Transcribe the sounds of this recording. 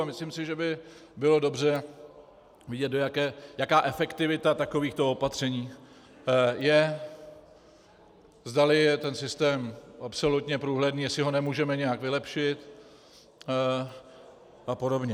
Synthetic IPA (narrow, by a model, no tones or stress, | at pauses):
mɪslimsɪʒɛbɪbɪlo̞do̞brɛ | vɪɟɛt̪̚dojakɛːjakaːʔɛfɛkt̪ɪvɪt̪at̪ako̞viːxt̪oopat̪r̝̥ɛɲiː | jɛ | zdalɪjɛt̪ɛnsɪst̪ɛːmʔapso̞lut̪ɲɛpɾuːɦlɛdniːjɛsɪɦo̞nɛmuːʒɛmɛɲɛjakvɪlɛpʃɪt̪ | ʔapo̞do̞bɲɛ